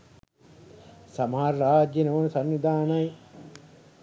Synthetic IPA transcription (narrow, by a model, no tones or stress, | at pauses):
sɐmaːɾɾaːd͡ʒɐnɐʋɐnusɐnːid̪ʱaːnɐj